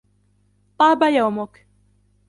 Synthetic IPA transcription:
t̪ˤɑːbajawmʊk

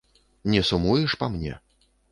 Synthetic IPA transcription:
nʲɛsumujɛʂpamnʲɛ̰

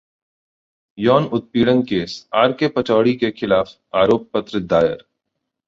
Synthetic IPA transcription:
jɔːnʊt̪̚piːɽənkeːsaːɾkepɐt͡ʃɔːɽikexɪlaːf | aːɾoːp̚ːət̪ɾɪd̪aːjə̰ɾ

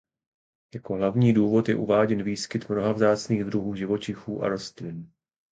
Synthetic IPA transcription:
jako̞ɦlavɲiːduːvo̞t̪jɛ̰ʔṵvaːɟɛnviːskɪt̪mno̞ɦavzaːt͡sniːɣd̪ɾuɦuːʒɪvo̞t͡ʃɪxuːʔa̰ɾo̞st̪lɪn

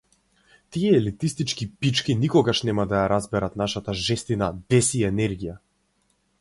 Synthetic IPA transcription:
t̪iɛɛlit̪ist̪it͡ʃkipit͡ʃkinikɔɡaʃnɛmad̪ajaɾazbɛɾat̪naʃat̪aʒɛst̪inad̪ɛsiɛnɛɾɡija

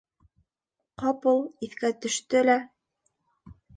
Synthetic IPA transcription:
qɑpulˠiθkæt̪ɵ̆ʃt̪ɵlæ

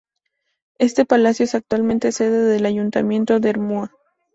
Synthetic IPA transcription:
e̞st̪e̞palasjoesak̚t̪walment̪e̞se̞ðe̞ðe̞laʝunt̪a̰mjẽ̞nt̪o̞ðeeɾmua

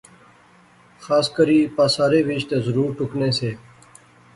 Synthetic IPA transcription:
xaːskəɾiːpaːsaːɾeːʋit͡ʃt̪eːzəɾuːɾʈʊkneːseː

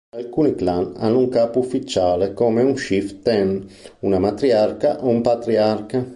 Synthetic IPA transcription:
alkuːniklana̰nːuŋkaːpuufːit͡ʃːaːlekɔːmeunʃift̪ɛnunamat̪ɾiarkaʔoumpat̪ɾiarka

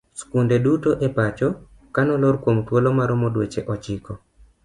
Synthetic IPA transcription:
skundedutoʔepat͡ʃɔ | kanɔloɾkwomt̪wolomaɾɔmɔdwet͡ʃeʔɔt͡ʃɪkɔ

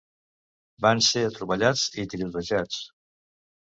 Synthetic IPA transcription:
banseət̪ɾuβəʎad͡zit̪ɾiβəʒat͡s

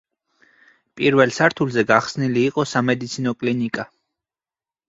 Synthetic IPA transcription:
pʼiɾvɛlsaɾt̪ʰulˠzɛɡaχsniliːqʼɔsamɛd̪it̪sʰinɔkʼlinikʼa

